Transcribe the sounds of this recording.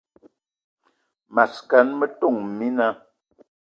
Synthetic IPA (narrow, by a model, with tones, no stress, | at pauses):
ma˨ska˨˦nmə˦to˦˨ŋ˨mi˦na˦